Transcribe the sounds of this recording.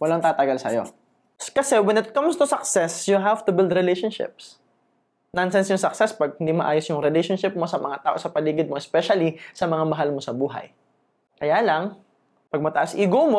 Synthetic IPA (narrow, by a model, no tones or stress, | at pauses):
wɐlaŋt̪aːt̪ɐɡalsɐ̰jo̰ | skɐsɛwɛnɪt̪̚kɐmst̪ʊsɐksɛsjʊɦav̥t̪ʊbɪld̪ɾɪlejʃonʃɪ̰p̚s | nɐnsɛnsjʊŋsɐksɛspɐɡ̚hɪnd̪imɐʔaːjosjʊŋɾɪlejʃonʃɪp̚mo̞sɐmɐŋat̪aːʔo̞sɐpɐliːɡɪd̪̚moʔɛspɛʃɐlisɐmɐŋamɐɦalmo̞sɐbuːɦɐ̰j | kɐjaːlɐŋ | pɐɡ̚mɐt̪ɐʔasʔiːɡomo